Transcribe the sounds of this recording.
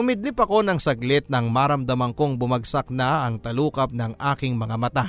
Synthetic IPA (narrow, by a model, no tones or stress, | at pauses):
ʊmɪd̪nipɐko̞nɐŋsɐɡlɪtt̪̚nɐŋmaɾɐmd̪ɐmɐŋkoŋbʊmɐɡsɐk̚nɐɐŋt̪ɐluːkɐp̚nɐŋʔaːkɪŋmɐŋamɐt̪a